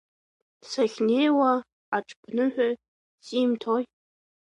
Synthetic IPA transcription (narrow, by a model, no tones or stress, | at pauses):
saχʲne̞jwa | aʈ͡ʂʼpʰnɨħʷᶣa | simtʰoj